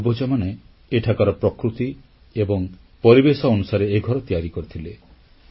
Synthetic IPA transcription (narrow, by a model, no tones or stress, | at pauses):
bɔd͡ʒɔmane | eʈʰakaɾɔpɾɔkɾut̪i | ebɔŋ | pɔɾibesɔːnusaɾeeɡʱɔɾɔt̪ijaɾikoɾit̪ʰile